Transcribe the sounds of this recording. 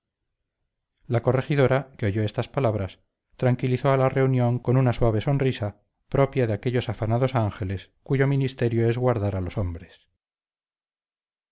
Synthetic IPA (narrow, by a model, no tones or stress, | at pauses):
lako̞re̞xiðo̞ɾakeo̞ʝo̞e̞st̪aspalaβɾas | t̪ɾaŋkiliθo̞alare̞unjo̞ŋko̞nunaswaβ̞e̞so̞nrisa | pɾo̞pjaðeake̞ʎo̞safanaðo̞saŋxe̞le̞s | kuʝo̞minist̪e̞ɾjoe̞zɣwaɾðaɾalo̞so̞mbɾes